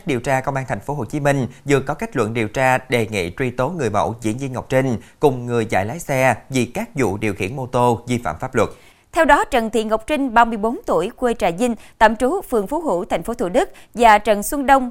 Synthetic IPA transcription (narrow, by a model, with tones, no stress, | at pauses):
ɗi˨˩əwt͡ɕaː˧kə˧wŋ͡mʔaː˧nt̪ʰjŋ̟fo˨˦ɦo˨˩t͡ɕi˨˦mi˧ŋ̟zɨ˨˩əkɔ˨˦ka˦˥jk̟̚lwə̰˧˨nɗi˨˩əwt͡ɕaː˧ɗe˨˩ŋḭ˧˨t͡ɕwi˧t̪o˨˦ŋɨ˨˩əjmə̰˧˩wzḭ˧˥ənzi˧ənŋə˨˩wk͡p̚t͡ɕï˧ŋ̟kʊ˨˩ŋ͡mŋɨ˨˩əjza̰ː˧˨jlaː˨˦jsɛ˧vi˨˩kaː˦˥k̚zṵ˧˨ɗi˨˩əwxḭ˧˩ənmo˧t̪o˧vi˧fa̰ː˧˨mfaː˦˥p̚lwə˨˩t̚ | t̪ʰɛ˧wɗɔ˨˦t͡ɕə˨˩nt̪ʰḭ˧˨ənŋə˨˩wk͡p̚t͡ɕï˧ŋ̟ɓaː˧˩mɨ˧˩əjɓo˨˦nt̪u˧˩əjkwe˧t͡ɕaː˧˩jzï˧ŋ̟t̪ə̰ː˧˨mt͡ɕu˨˦fɨ˨˩əŋfu˨˦ɦṵ˧˩˨t̪ʰa˨˩jŋ̟fo˨˦t̪ʰṵ˧˨ɗɨ˦˥k̚ | vaː˨˩t͡ɕə˨˩nswə˧nɗə˧wŋ͡m